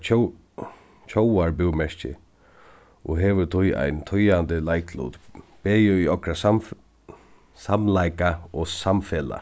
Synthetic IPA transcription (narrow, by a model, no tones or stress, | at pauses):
t͡ʃʰowaɹbɪwmɛʂcɪ̰ | ʔɔɦɛːʋʏt̪ʰʊja̰jnt̪ʰʊjant̪ɪlajkʰlṵːt̪b̥eːjʏʏɔkɾa | samlajkaɔsamfeːla̰